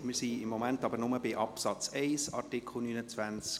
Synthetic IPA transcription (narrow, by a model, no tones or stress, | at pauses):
mɪɾsiɪmːomæntɑbəɾnʊməbɪʔɑpsɑt͡sɛɪsɑ̰rtikʰl̩ˠnynət͡svænt͡s